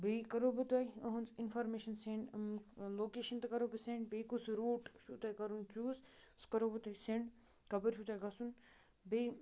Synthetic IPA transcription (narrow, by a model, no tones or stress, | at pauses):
bekɐɾoːbɨt̪oiɐɦunsɪnfaːɾmeːʃɐnsẽɳɖloːkeːʃɐnt̪ɐkɐɾoːbisẽːɳɖbeːkusɾuːʈt͡ʃʰuːt̪aːikɐɾunt͡ʃuːzskɐɾoːbɨt̪oːisẽɳɖ | kɐbɐɾt͡ʃʰut̪aːjɡɐsun | beː